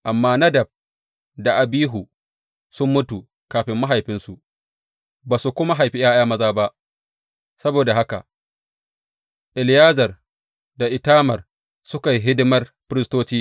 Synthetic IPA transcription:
ʔa˨mːaː˦nɐ˦dɐ˨b̚ | da˨ʔa˨biː˦ɦu˨ | sʊ˦mːʊ˦tu˨ | kaː˨ɸɪ˦mːa˦ɦa˨jɸɪ˦nsu˨ʔ | baː˨su˨kʷʊ˦ma˦ɦa˨jɸi˦j̰ʔaː˦j̰aː˦mɐ˦zaː˦ba˦ʔ | sɐ˦boː˨da˨ɦa˦ka̰˨ | ʔɪ˨ljaː˦zɐ˨r | da˨ʔɪ˨taː˦mɐ˨r | sʊ˦ka˨jɦɪ˦dɪ˦mɐ˦rɸɪ˦ɾɪ˦stoː˦t͡ʃiː˦

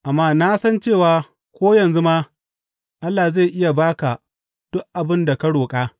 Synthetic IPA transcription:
ʔa˨mːaː˦na˦sɐ˦nt͡ʃeː˦˨waː˨ | kʷoː˦jɐ˨nzu˦maː˦ | ʔa˦lːaː˨za˦˨jʔɪ˦ja˨baː˦ka˨ | d̥ʊ˦ʔ̚ʔa˨bɪ˦nda˨kɐ˦ɽoː˨kʼaː˦

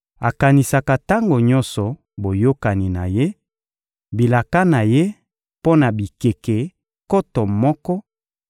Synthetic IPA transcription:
a˨ka˨ni˨sa˨ka˨ta˦ŋɡo˨ɲɔ˦nsɔ˨ | bo˨jo˦ka˨ni˨na˨je˦ | bi˨la˨ka˦na˨je˦ | po˦na˨bi˨ke˨ke˨ | kɔ˦tɔ˨mɔ˦kɔ˦

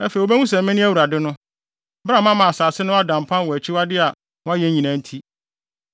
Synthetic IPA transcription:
æ˦fe˨o˨bɛ˦ŋũ˦s̬ɛ̃˨mmɪ̃˦nɪ̃˦æ˦wu˨ɾa˨dɪ˦nʊ̃˦ | bɾa˦˨mã˦mã˨a˨saː˨sɪ˦nʊ̃˦a˦dã˨m˨pʰã˦nwɔ˨æ˨t͡ɕʰɪ˦wa˦dɪ˦a˨ | ʊ̃˦a˦jɛ˦ɲĩ˨nã˨˦n̩˦tʰi˦

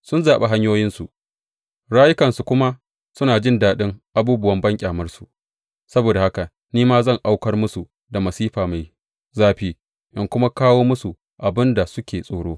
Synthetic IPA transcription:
sʊ˦nzaː˨ɓe˦ɦa˦ɲjoː˦jɪ˦nsu˨ʔ | ɽaː˦jɪ˦kɐ˨nsu˨kʷʊ˦ma˦ | sʊ˦naː˨d͡ʒɪ˦ndaː˨ɗɪ˦ŋʔa˨buː˦bʊ˦wɐ˦mbɐ˦ŋkʲʼaː˨mɐ˦rsu˨ | sɐ˦boː˨da˨ha˦ka˨ | niː˦maː˦zɐ˦˨ŋʔa˦wkɐ˦rmʊ˦su˨ | da˨mɐ˨siː˦ɸaː˨ma˨j | zaː˦ɸiː˦ | ʔɐ˦˨ŋkʷʊ˦ma˦kaː˦woː˦mʊ˦su˨ | ʔa˨bɪ˦nda˨sʊ˦kʲeː˨sʼoː˨ɽoː˦

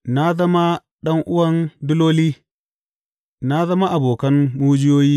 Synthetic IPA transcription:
na˦zɐ˦ma˦ | ɗɐ˦ŋʔʊ˦wɐ˦ndu˦loː˦li˦ | na˦zɐ˦ma˦ʔa˨boː˨kɐ˦nmu˦d͡ʒɪ˦joː˦jiː˦

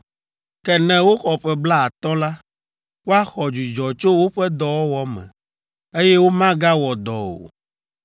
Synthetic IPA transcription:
kɛ˨nɛ̃˨wo˦xɔ˨ɸɛ˦bla˦a˨t̪ɔ̃˦la˦ | wo˦a˦xɔ˨d͡ʒu˨d͡ʒɔ˨t͡ʃo˦wo˦ɸɛ˦d̪ɔ˨wɔ˦wɔ˦mɛ̰̃˨ | e˦jɛ˦wo˦mã˦ɡa˦wɔ˨d̪ɔ̰˨o̰˨

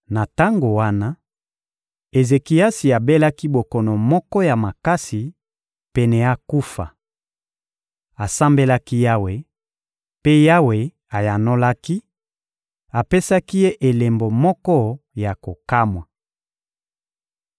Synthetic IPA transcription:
na˨ta˦ŋɡo˨wa˦na˦ | e˨ze˨ki˨a˦si˨a˨be˦la˦ki˦bo˨kɔ˨nɔ˨mɔ˦kɔ˦ja˨ma˨ka˦si˨ | pɛ˨nɛ˨a˦ku˦fa̰˨ | a˨sa˦mbe˦la˦ki˦ja˦we˨ | pe˦ja˦we˨ | a˨ja˨no˦la˦ki˦ | a˨pe˦sa˦ki˦je˦ʔe˨le˨mbo˨mɔ˦kɔ˦ja˨ko˨ka˦mwa˨

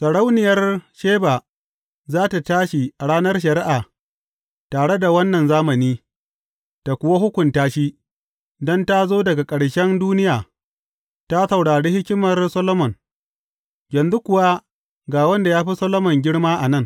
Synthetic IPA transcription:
sɐ˨ɽa˦wnɪ˨jɐ˦rʃeː˦baː˨ | zaː˦ta˨taː˦ʃi˨ʔa˨ɽaː˦nɐ˦rʃ̬ɐ˨ɾɪ˦ʔaː˨ | taː˨ɽe˦da˨wɐ˦nːɐ˨nzaː˦mɐ˨niː˦ | ta˨kʷʊ˨wa˦ɦʊ˦kʷʊ˨ntaː˦ʃi˦ | dɔ˦nta˦zoː˦dɐ˨ɡa˨kʼɐ˨ɽʃɛ˦nduː˦nɪ˦jaː˨ | ta˦sɐ˨wɽaː˨ɽeː˦hɪ˦kʲɪ˦mɐ˨rsɐ˦lo˦mɔ˨ŋ | jɐ˨nzu˦kʷʊ˨wa˦ | ɡaː˨wɐ˦nda˨jaː˦ɸi˦sɐ˦lo˦mɔ˨ŋɡʲɪ˦ɽmaː˦ʔa˨nɐ˦˨ŋ

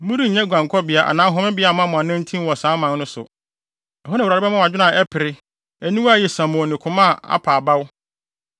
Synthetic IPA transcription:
mũ˦ɾi˦˨ɲɛ̃˦ɡʷã˨ŋ˨kʰɔ˦bɪ˨a˨ʔa̰˨nã˨˦ɦʊ˦mɪ̃˦bɪ˦a˨mã˦mʊ̃˨ã˨nɪ̃˦n̩˦tʰĩ˦mwɔ˨sãː˨˦mã˨nnʊ̃˦sʊ̰˨ | ɛ˨ɦɔ˦nã˨ɾa˨ɾɪ˦ɛ˦mã˦˨a˨d͡ʑᶣɪ˦nã˨ʔɛ˦pʰɪ˨ɾɪ˦ | æ˨nĩ˦wa˦˨jɛ˨sã˨mɔ̃˨nɪ̃˨kʰʊ̃˨mã˦˨a̰˦pʰaː˨ba˦wʊ˦

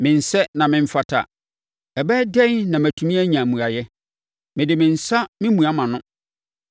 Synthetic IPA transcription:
mɪ̃˨n̩˨sɛ˦nã˨mɪ̃˨m̩˦fa˨tʰa̰˨ | ɛ˨bɛ˦dɛ˦n˦nã˨mæ˨tʰũ˨mĩ˦æ˦ɲã˨mũ˨a˨jɛ˦ | mɪ̃˨dɪ˨mɪ̃˨n̩˨sa˦mɪ̃˦mũ˨a˦mã˨nʊ̃˦

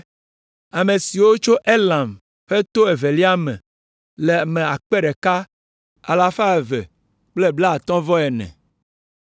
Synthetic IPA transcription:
a˨me˨si˨wo˦t͡ʃo˦ʔe˦lã˨m | ɸe˦t̪o˦e˨ve˨li˦a˦mɛ̰̃˨ | le˨mẽ˨a˨k͡pe˦ɖe˨ka˦ | a̰˨la˨fa˦e˨vɛ̰˨ | k͡ple˦bla˦a˨t̪ɔ̃˦vɔ˦ɛ˨nɛ̰̃˨

